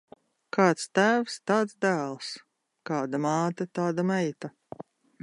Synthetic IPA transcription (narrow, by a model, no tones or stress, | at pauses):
kʰɑːt̪st̪æːfst̪aːt̪sd̪æːlˠs | kaːd̪amɑːt̪at̪aːd̪amɛjt̪a